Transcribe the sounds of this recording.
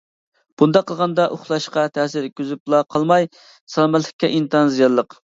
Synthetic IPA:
b̥und̪ɑqʰːəlˠʁɑnd̪ɑʔoχlˠɑʃqɑt̪ʰɛːsɪɾkʲyzyplˠɑqʰəlˠmɑj | sɑlˠmɛt̪lɪ̥kʲːɛʔint̪ʰɑnzijɑlːˠəq

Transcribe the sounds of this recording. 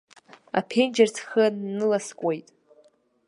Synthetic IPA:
a̰pʰejnd͡ʒart͡sʰχəːɨlaskʷʼejtʼ

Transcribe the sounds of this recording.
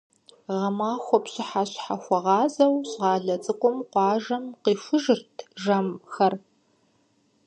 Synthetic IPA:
ʁɐmaːxʷɔpɕɪħaɕħaxʷɔʁɑːzɐwɕʁɑːɮɐt͡sʼɨqʷʼʊmqʷɑːʒɐmqiːfʷʊʒɨrtʰʒɐmxɐr

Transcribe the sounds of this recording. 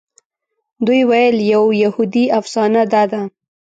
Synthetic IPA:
d̪ujwajəljawjahud̪iafsɑnad̪ɑd̪a

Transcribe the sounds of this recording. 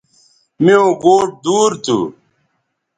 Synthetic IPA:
mijõːɡoːʈ̚d̪uːɾt̪ʰṵ

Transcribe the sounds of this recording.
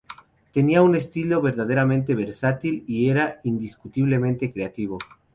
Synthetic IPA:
t̪e̞niaune̞st̪ilo̞βe̞ɾðaðeɾamẽnt̪eβ̞e̞ɾsat̪ilieɾaind̪iskut̪iβle̞mẽnt̪e̞kɾe̞at̪iβ̞o̞

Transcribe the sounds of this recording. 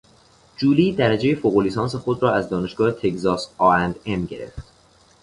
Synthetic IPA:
d͡ʒuːliːd̪æɾæd͡ʒejefoɣolisɒːnse̞xod̪ɾɒːæzd̪ɒːne̞ʃɡ̥ɒːhet̪ʰe̞kzɒːsɒːɾænd̪e̞mɟe̞̰ɾe̞̰ft̪

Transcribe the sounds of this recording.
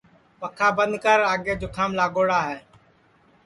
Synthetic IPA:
pəkʰaːbənd̪kəɾaːɡeːd͡ʒoːkʰaːmlaːɡoːɽaːɦɛː

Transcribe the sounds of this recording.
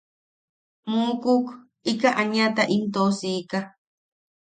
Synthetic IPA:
mũːkuk | ikaʔaɲãt̪aʔimt̪osika

